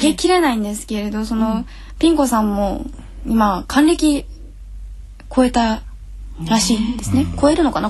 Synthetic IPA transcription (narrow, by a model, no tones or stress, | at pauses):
ɡekʲiɾe̞naĩnd̪e̞sɨ̥ke̞ɾe̞d̪o̞so̞no̞ | pʲĩŋko̞sãmːo̞ | imakʰãnɾe̞kʲi | kʰo̞e̞t̪a | ɾaɕiːnd̪e̞sɨne̞ko̞e̞ɾɯ̟no̞kana